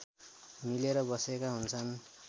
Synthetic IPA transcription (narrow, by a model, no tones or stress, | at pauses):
mileɾʌbʌsekaɦunt͡sʰʌn